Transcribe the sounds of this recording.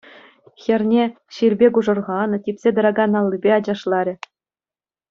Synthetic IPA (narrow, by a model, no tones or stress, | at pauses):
xʲɘ̆rʲnʲe | ɕilʲbʲekuʐɤ̆rʁɑnɤ̆tʲipʲsʲed̪ɤ̆ɾɑɡɑnɑlʲˠːibʲeɑd͡ʑɑʂlˠɑɾʲɘ̆